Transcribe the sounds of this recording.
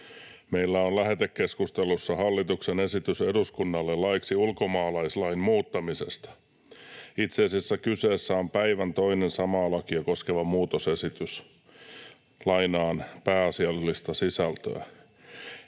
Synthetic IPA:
meilːæonlæɦet̪ekːe̞skust̪elusːɑhɑlːit̪uksene̞sit̪yseduskunːɑlːellɑiksiulko̞mɑːlɑislɑimmuːt̪ːɑmise̞̰st̪ɑ̥ | it̪seːsisːækyseːsːæompæiʋænt̪o̞inensɑmɑːlɑkiɑko̞skeʋɑmuːt̪ose̞sit̪ys | lɑinɑːnpæːɑsiɑlːist̪ɑsisælt̪ø̰æ̰

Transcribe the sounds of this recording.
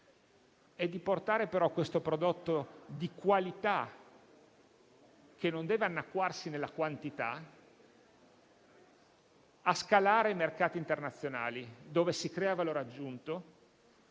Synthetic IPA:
ɛd̪ːiport̪aːɾepeɾɔkːwest̪opɾod̪ot̪ːod̪ikwalit̪a | kenond̪ɛːveanːakːwarsinelːakwant̪it̪a | askalaːɾeimerkaːt̪iːnt̪ernat̪sːjona̰ːlid̪oːvesikɾɛːavaloːɾad͡ʒːunt̪o

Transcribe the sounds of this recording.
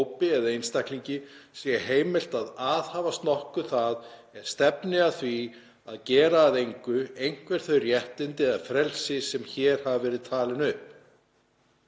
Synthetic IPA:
wpɪɛðaejnst̪akliɲcɪsjɛheːjmɪl̥t̪aðaːðhaːvast̪nɔhkʏθaðɛɾ̥st̪ɛpnɪaθvi | aðcɛːɾaːðejŋkʏejŋ̥kvɛɾ̥θœjrjɛht̪ɪnt̪ɪaðfɾɛlsɪsɛmçɛːɾ̥havavɛːɾɪðt̪ʰaːlɪnʏhp

